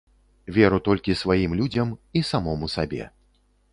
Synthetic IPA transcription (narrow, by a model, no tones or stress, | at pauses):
vʲɛɾut̪ɔlʲkʲisvajimlʲud͡zʲɐmisamɔmusabʲɛ̰